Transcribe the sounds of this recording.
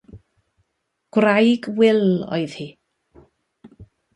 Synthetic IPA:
ɡ̥wrajɡwɪlˠo̰jð̥hi

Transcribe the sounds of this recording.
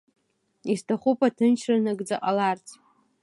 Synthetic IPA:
istʰaχupʰʼatʰɨnt͡ʃʰranaɡd͡zaqʼalart͡sʰʼ

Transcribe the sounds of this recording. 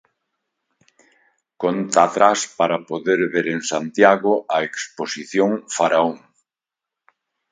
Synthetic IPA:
kont̪at̪ɾaspaɾapoðeɾβeɾeŋsant̪jaɣʊʔaeksposiθjoŋfaɾaoŋ

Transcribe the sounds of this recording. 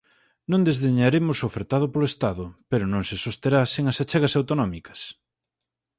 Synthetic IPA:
nõŋd̪ezðeɲaɾemʊsofeɾt̪aðʊpoloest̪aðʊpeɾʊnõŋsɪsost̪eɾaseŋasat͡ʃeɣɐsawt̪onɔmikɐ̥s

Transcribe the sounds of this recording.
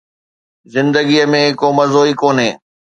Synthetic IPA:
zɪ̃nd̪əɡiəmẽkomɐzoːikoːnɦeː

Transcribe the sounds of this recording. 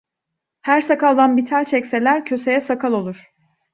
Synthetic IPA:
hæɾsakalˠd̪anbit̪ʰælʲt͡ʃʰɛcse̞lʲæɾcʰø̞se̞jɛsakʰalˠo̞lˠuɾ̥

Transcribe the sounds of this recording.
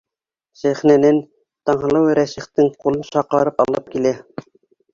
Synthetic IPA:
sæχnænɘn | t̪ɑɴɦɤ̆lˠɤwɾæsĭχt̪ɘŋqulˠɤnʃɑqɑɾɤpɑlˠɤp̚kilæ

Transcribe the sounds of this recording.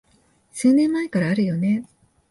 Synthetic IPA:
sɨːnẽ̞mːae̞kaɾaːɾɯ̟jo̞ne̞

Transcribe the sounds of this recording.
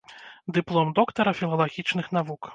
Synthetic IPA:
d̪ɨplˠɔmd̪ɔkt̪ɐɾɐfʲilˠɐlˠaɣʲit͡ʂnɨxn̪avuk

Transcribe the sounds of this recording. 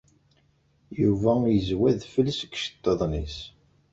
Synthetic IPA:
juvæjəzwæðfəlsəkʃt̪ːəðˤnis

